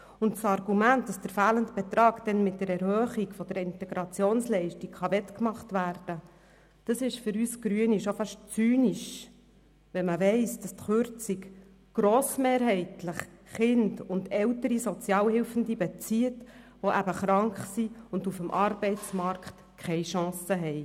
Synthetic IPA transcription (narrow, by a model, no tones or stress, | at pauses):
ʊntsɑrɡumænt̚d̥ɑsd̥əɾfæːləntb̥ɛt̪ɾɑːɡd̥ɛnmɪt̚dəɾɛɾhœːχikfɔd̥əɾɪntɛɡɾɑt͡sjoːnslɛɪʃtikχɑʋɛtkmɑχtʋæːrd̥ə | d̥ɑsɪʃfʏɾyːsɡ̥ɾyəniʃofɑʃt͡syːniʃ | ʋɛnməʋɛɪsd̥ɑstχʏɾt͡sik | ɡ̥ɾoːsmeːɾɦɛɪtləχχɪndʊndɛltəɾisɔt͡sjɑːlhɪlfən̩dibɛt͡siət | ʋoʔæbəχɾɑŋkχsiʊndufəmʔɑɾbɛɪt͡smɑɾkt | kʰχɛɪʃɑ̃ːsəɦɛɪ